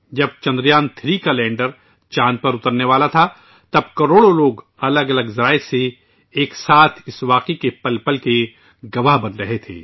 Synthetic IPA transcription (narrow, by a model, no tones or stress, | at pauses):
d͡ʒɐb̚t͡ʃɐ̃nd̪ɾijaːnt̪ʰɾikalɛ̃ːɳɖəɾ | t͡ʃãːnpɐɾʊt̪əɾneʋaːlat̪ʰa | t̪ɐb̚kɐɾoːɽoloːɡ | ɐləɡɐləɡzɐɾaːɪse | eːksaːt̪ʰɪsʋaːqikepɐlpəlke | ɡɐʋaɦbɐnɾɐɦet̪ʰḛː